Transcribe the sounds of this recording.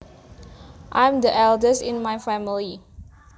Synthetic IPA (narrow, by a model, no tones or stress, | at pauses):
ʔãj̃mdəʔɛldəsĩnmajfɛmili